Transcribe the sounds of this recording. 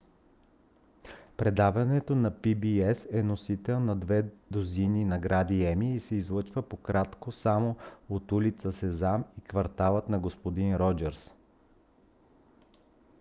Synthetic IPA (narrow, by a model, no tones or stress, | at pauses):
pɾɛd̪avɐnɛt̪onɐpibiɛsɛnosit̪ɛlˠnɐd̪vɛd̪ozininɐɡɾad̪iɛmiːsɛizlˠɤt͡ʃvəpokɾat̪kosamoot̪ulit̪səsɛzamikvɐɾt̪alˠət̪nɐɡospod̪inɾɔd͡ʒɛɾs